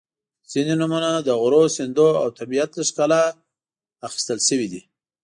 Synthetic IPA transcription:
z̥inenumanad̪əɣʊɾosɪnd̪oawt̪abijat̪laʂkala | axi̥st̪əlʃəwid̪i

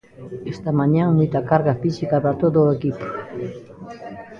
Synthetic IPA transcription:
est̪amaɲaŋujt̪akaɾɣafisikaβat̪od̪oekip

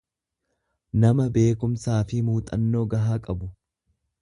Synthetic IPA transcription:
nɐmɐbe̞ːkʊmsaːfɪmuːt̪ʼɐnːo̞ːɡɐɦaːkʼɐbʊ

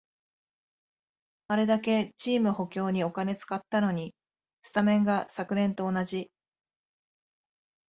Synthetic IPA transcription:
aɾe̞d̪ake̞t͡ɕiːmɯ̟ho̞kʲo̞ːɲ̟io̞kane̞t͡sɨ̥kat̪ːano̞ɲ̟i | sɨ̥t̪amẽ̞ŋɡasakɯ̟nẽ̞nt̪o̞ːnaʑi

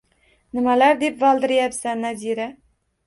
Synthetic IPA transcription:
nɪmalaɾd̪e̞pvɒlˠd̪ɪɾjapsanːaziɾa

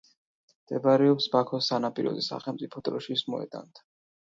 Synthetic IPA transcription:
d̪̥ɛbaɾɛɔpsbakʰɔsanapʼiɾɔ̰d̪isa̰χɛlˠmt̪sʼipʰɔt̪ʼɾɔʃismɔɛ̰d̪ʼa̰nt̪ʰ

